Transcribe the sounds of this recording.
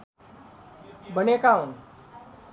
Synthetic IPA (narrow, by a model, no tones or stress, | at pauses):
bənekaun